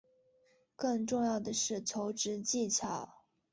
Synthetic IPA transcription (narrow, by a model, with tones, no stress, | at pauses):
kɤ˥˧ŋʈ͡ʂʊ˥˧ŋjɑ˥˩ʊd̪ə˩ʂɻ̩˥˩t͡sʰo˧˥ʊʈ͡ʂɻ̩˧˥t͡ɕi˥˩t͡ɕʰjɑ˨˩˦ʊ